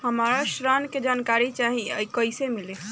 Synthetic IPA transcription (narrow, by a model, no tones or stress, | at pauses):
həmaɾaʃɾanked͡ʒankaɾit͡ʃaɦiəjkəjsemile